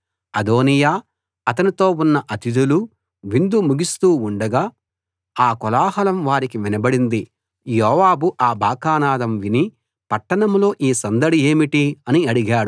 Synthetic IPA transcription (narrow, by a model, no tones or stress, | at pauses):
ɐd̪o̞ːnijaː | ɐt̪ɐnit̪o̞ːunːɐʔɐt̪id̪ulu | ʋind̪umuɡist̪uːuɳɖɐɡaː | aːkɔlaːɦɐlɐmʋaːɾikiʋinɐbɐɽind̪i | jɔːʋaːbuʔaːbʱaːkaːnaːd̪ɐmʋini | pɐʈːɐɳɐmlo̞ːʔiːsɐnd̪ɐɽie̞ːmiʈiɐniɐɽiɡaːɽu